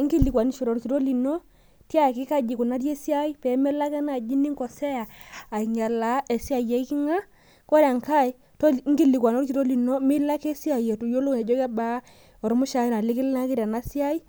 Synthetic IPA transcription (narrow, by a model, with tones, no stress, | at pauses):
ŋki˦li˨kwa˨ni˦ʃo˨ɾɔ˨ɾki˨ɾo˦li˨no˦ | tja˦˨kɪ˦ka˦d͡ʒi˨ku˨na˦ɾje˦si˦a˦i˦pɛ˨˦mɛ˦la˦kɛ˦na˨d͡ʒi˦ni˦ŋkɔ˨sɛ˦jaː˨i˨ɲa˨la˨˦ʔe˨si˦a˨je˨i˦kɪ˦ŋa˦ | kɔ˦ɾa˨ŋka˦˨i˨ | to˦ŋɡi˦˨li˨kwa˨no˦ɾki˨ɾo˦li˨no˦mɪ˦la˦ke˦si˦a˨je˨tu˨jo˦lo˦ŋɛ˨d͡ʒɔ˦ka˦ba˦ | ɔ˨ɾɔ˦mʊ˦ʃa˨˦i˦na˨lɪ˦kɪ˦lna˦kɪ˦ɾa˨na˦si˦a˦i˦